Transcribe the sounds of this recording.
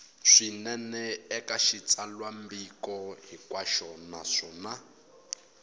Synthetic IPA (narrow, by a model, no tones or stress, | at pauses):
ʂinɛnɛɛkaʃit͡sʼalwambikɔɦikwaʃɔnaʂɔna